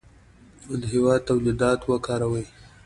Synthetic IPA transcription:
ʊlɦɪwɑd̪̚t̪awlid̪ɑt̪wəkɑːɾawəj

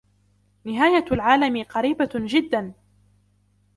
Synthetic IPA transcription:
nɪɦaːjalʕaːlamɪqɑɾiːbad͡ʒɪd̪ːan

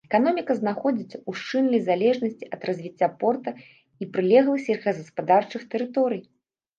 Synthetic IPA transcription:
ɛkanɔmʲikɐznaxɔd͡zʲit͡sʲuʂt͡ʂɨnlʲijzalʲɛʐnɐsʲt͡sʲiɐd̪rɐzʲvʲit͡sʲːapɔrt̪ɐ | ipɾɨlʲɛɣlˠɨsʲiɣɐzɐspad̪art͡ʂɨxt̪ɛɾɨt̪ɔɾɨj

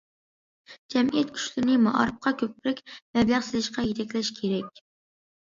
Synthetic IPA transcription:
d͡ʒɛmijɛt̪̚kʲʰy̥t͡ʃlɪnɪmɑʔɑ̰ɾɨp̚qʰɑkʲʰøpːɪɾɪkʲmɛblæχsɪzɪʃqɑjet̪ʰɛkʲlɛʃkʲʰeɾɛkʲ

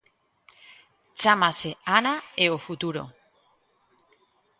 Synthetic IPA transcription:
t͡samaseanaeofut̪uɾo̰

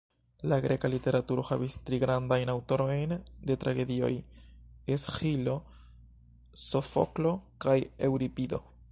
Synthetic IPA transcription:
laɡɾe̞kalite̞ɾatuɾo̞havistɾiɡɾandajnawto̞ɾo̞jnde̞t̪ɾaɡe̞dio̞̰j | esxilo̞ | so̞fo̰klo̞kajewɾipid̪o̞̰

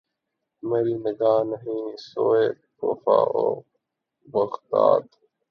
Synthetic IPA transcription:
mɐɾiːnəɡaːnɐɦĩːnisoːekoːfa̰ːo | bɐɣd̪a̰ːd̪

